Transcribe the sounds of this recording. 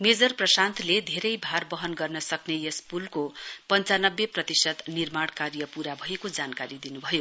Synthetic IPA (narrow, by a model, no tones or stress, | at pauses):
med͡zʌrprʌsant̪ʰled̪ʱeɾʌjbʱarbʌɦʌnɡʌrnʌsʌknejespulkopʌnt͡sanʌbːeprʌt̪isʌt̪nirmaɽ̃karjʌpuɾabʱʌjekod͡zankaɾid̪inubʱʌjo